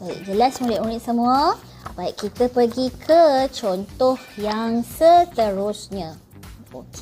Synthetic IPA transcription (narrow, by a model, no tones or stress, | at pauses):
bajḭʔ̚d͡ʒəlasmuliʔmuɾit̪̚səmũa | baiʔkit̪əpəɡikʰət͡ʃɔnt̪ɔhjaŋsət̪əɾʊsɲã | ok